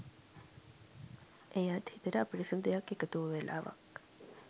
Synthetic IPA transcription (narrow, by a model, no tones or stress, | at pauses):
ʔejaːt̪hit̪əɾəapiʈisund̪ejakːekət̪uʋəʋelʔa̰ːʋɐ̰k